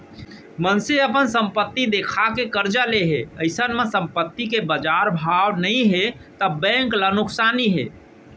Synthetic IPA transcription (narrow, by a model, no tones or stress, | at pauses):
mənseəpənsəmpət̪ːid̪ekʰakekəɾd͡ʒaleɦeəɪsənmẽsə̃mpət̪ːikebəd͡ʒaɾbʱawnəĩɦe | t̪əbɛ̃ŋklanʊksaniɦḛ